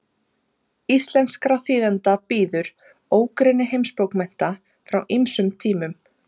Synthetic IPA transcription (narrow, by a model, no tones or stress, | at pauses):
ist̪lɛnskɾaθiːðɛnt̪apiːðʏɾ | oːwkɾɛnːɪɦejmspowkmɛjn̥t̪a | fɾawʔimsʏmt̪ʰiːmʏm